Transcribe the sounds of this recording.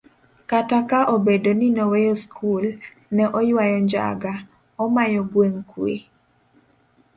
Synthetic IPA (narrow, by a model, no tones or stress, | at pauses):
katakaʔobedoninowejoskʰul | nɛʔɔjwajɔɲd͡ʒa̰ɡa | ɔmajɔɡweŋkwḛ